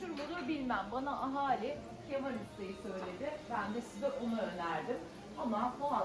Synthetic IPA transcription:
uɾbud̪abilʲmæmbanaʔaɦaːlʲɪ | cʰemaɾɯst̪ajɯsø̞jlʲe̞d̪ɪbænd̪ɛsizɛʔonuønæɾd̪ɪm | t̪ʰamaoa

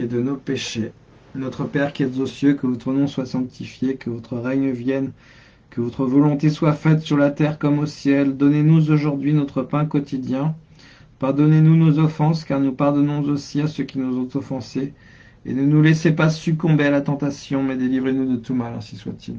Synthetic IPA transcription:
ed̪ənopeʃe | nɔt̪χəpɛʁkʲiɛt̪zosjøkəvɔt̪χənɔ̃swasɑ̃k̚t̪ʰifjekəvɔt̪χəʁɛɲvjɛn | kəvɔt̪χəvɔlɔ̃t̪eswafɛt̪syʁlat̪ɛʁkɔmosjɛld̪ɔnenuzoʒuʁd̪ɥinɔt̪χəpɛ̃kɔt̪id̪jɛ̃ | paʁd̪ɔnenunozɔfɑ̃skaʁnupaʁd̪ɔnɔ̃zosiasəkʲinuzɔ̃t̪ɔfɑ̃se | ḛnənulɛsepasykɔ̃bealat̪ɑ̃t̪asjɔ̃mɛd̪elivʁenud̪ət̪umalɛ̰̃siswa̰t̪ʰḭl

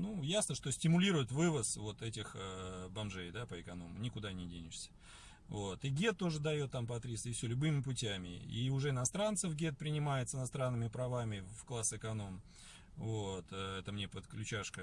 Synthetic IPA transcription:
nujasnəʂt̪o̞sʲtʲɪmʊlʲiɾʊjɪt̪vɨvəsvo̞t̪ɛtʲɪxəbɐmʐejd̪apəɪkɐno̞̰mʊnʲɪkʊd̪anʲɪdʲenʲɪʂsʲə̥ | vo̞t̪ɨɡʲe̞t̪ːo̞ʐɨd̪ɐjo̞t̪ːampɐt̪ɾʲist̪ɪfsʲɵlʲʊbɨmʲɪpʊtʲæmʲɪ̰ḭʊʐɛɪnɐst̪ɾant̪səfɡʲe̞t̪̚pɾʲɪnʲɪmajɪt̪səɨɪnɐst̪ɾanːɨmʲɪpɾɐvamʲɪfklˠasɨkɐno̞m | vot̪əɛt̪əmnʲe̞pət̪klʲʉt͡ɕaʂkə

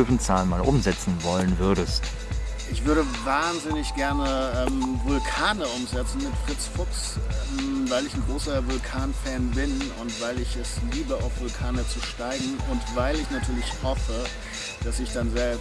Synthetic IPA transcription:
øfn̩t͡saːlənmaːlʔʊmzɛt͡sn̩vɔlənvʏɐɾəst | ʔɪçv̥ʏɐɾəvaːnzɪnɪçɡ̥ɛɐnəʔɛːmvʊlkʰaːnəʔʊmzɛt͡sn̩mɪtfʁ̥ɪt͡sfʊksɛvaɪlɪçnɡʁoːsɐvʊlkʰaːnfɛːnbɪnʊ̰ntv̥aɪlɪçɛsliːbəaʊfv̥ʊlkʰaːnət͡suʃtaɪɡŋ̩ʊntv̥aɪlɪçnatʰyːɐlɪçhɔfə | d̥asɪçd̥anzɛ

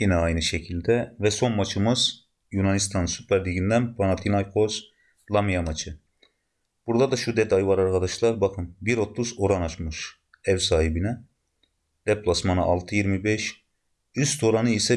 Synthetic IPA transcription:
jinɛajnɯʃecʰilʲd̪ɛvɛso̞nmat͡ʃʰɯmɯz̥ | junanist̪ʰansypʰæɾliɟind̪ænpʰanat̪ʰinajkʰoz | lˠamijamat͡ʃʰɯ | b̥uɾd̪ad̪aʃud̪ɛd̪ajvaɾaɾkʰad̪aʃlˠaɾbakʰɯnbiɾo̞t̪ʰːuzo̞ɾanat͡ʃmɯʃ | ɛvsaːhibinɛ | d̪̥ɛplˠasmanɯʔalˠt̪ʰɯjiɾmibɛʃ | yst̪ʰo̞ɾanɯisɛ

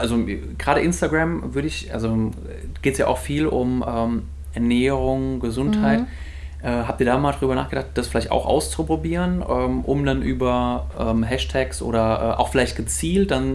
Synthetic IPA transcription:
ʔalzoɡ̥ʁaːɾəʔɪnstaɡʁamvʏɐɾəɪçʔa̰lzo | ɡ̥eːtsja̰ːʔaʊxfiːlʔʊmʔɛːm | ʔɛɐnɛːəʁʊŋɡəzʊnthaɪt | ʔɛːɦaːp̚tiːɐdaːmaːldaʁyːbɐna̰ːχɡ̥ədaχt̚d̥asfɪlaɪçta̰ʊxʔa̰ʊst͡supʁ̥obiːʁənʔɛːmʔʊ̰mdanʔyːbɐʔɛːmɦɛʃtʰɛksʔo̰ːɾɐʔɛ̰ːʔa̰ʊxfɪlaɪçt̚ɡ̥ət͡siːlt̚d̥an

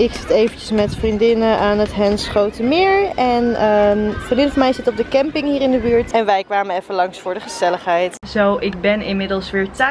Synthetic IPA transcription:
ɪksɪ̥tejvəncəsmɛtfrindɪnəʔaːnətɦɛnsχowtəmɪːɹɛnəfodɪnfɑnmɛjsɪtɔp̚dəkɛmpɪŋɦiːɾɪndəbyːɹtɛnʋɛjkʋaːmənɛfənlɑŋsfʊːɹdəχəz̥ɛləχɦɛjtz̥owʔɪk̚bɛnɪnmɪdəlˠsʋɪːɹta

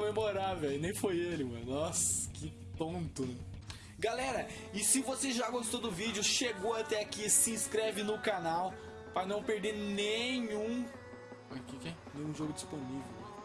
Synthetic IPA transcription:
omemoɾavɛjʊnẽj̃fojelɪmɐ̰̃nnɔskɪ | t̪õt̪ʊnɛ | ɡalɛɾɐ | ɪsɪvoseʒaɡost̪od̪ʊvid͡ʒʊʃeɡowat̪ɛakisɪĩskɾɛvɪnʊkanaw | pɾɐnɐ̃w̃peɾd̪eɾnẽɲũ | ɔjkɪkɛnẽj̃ũʒoɡʊd͡ʒisponivew

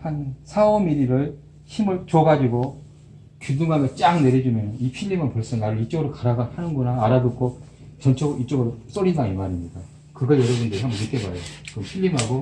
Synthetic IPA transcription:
hansʰaʌmiɾiɾɯɭ | çimɯɭt͡ɕoɡad͡ʑiɡo | kuduŋamet͡ɕ͈aŋne̞ɾjʌd͡ʑumjʌnɯnipʰiʎːimɯnpoɭs͈ʌnaɾɯit͡ɕ͈ʌɡɯɾokaɾaɡanhanɯnɡonaːɾaduk͈ʰo | t͡ɕʌnt͡ɕʰʌɡoʔit͡ɕ͈ʌɡɯɾos͈oɾindaŋemaɾimɲika | kɯɡʌjʌɾʌbundeiɦambʌnit͈ebaejokɯmpʰiʎːimɦaɡo

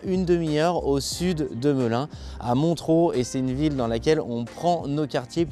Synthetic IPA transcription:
ynd̪əmiœʁosyd̪ːəmɔlɛ̃ | a̰mɔ̃t̪χoesɛt̪ynvild̪ɑ̃lakʲɛlɔ̃pχɑ̃nokʲaʁt̪ʰje

